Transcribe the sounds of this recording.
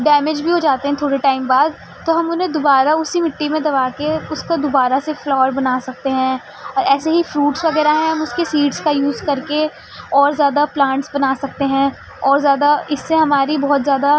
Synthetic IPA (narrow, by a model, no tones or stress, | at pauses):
ɖɛːmɪd͡ʒbʱiɦod͡ʒaːt̪eɦɛ̃t̪ʰoːɽiʈaːɪmbaːd̪̚ | t̪oɦɐmʊnɦẽd̪obaːɾaʊsimɪʈːimẽd̪ɐβaːkeʊskad̪obaːɾaseflɔːəɾbɐnasɐk̚t̪eɦɛ̃ | ɔːɾɛːseɦifɾuːʈsʋɐɡɛːɾaɦɛ̃ɦɐmʊskesiːɖskajuːzkɐɾke | ɔːɾzjaːd̪aplãːɳʈsbɐnasɐk̚t̪eɦɛ̃ | ɔːɾzjaːd̪aɪsːeɦɐmaːɾibɔɦʊt̪zjaːd̪a